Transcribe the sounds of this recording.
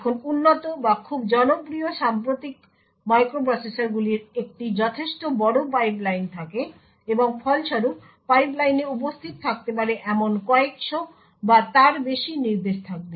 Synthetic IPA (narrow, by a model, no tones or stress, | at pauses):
ɛkʰonunːot̪obakʰubd͡ʑɔnobɾioʃampɾot̪ik̚ | majkɾop̬ɾɔsesaɾɡuliɾek̚ʈid͡ʑɔt̪ʰeʃʈobɔɽop̬ajblajnt̪ʰake | eboŋfʰɔlʃɔɾup | pajplajneup̬ost̪ʰit̪ot̪ʰak̚t̪epaɾeʔɛmonkɔekʃo | bat̪aɾbeʃiniɾd̪eʃt̪ʰak̚be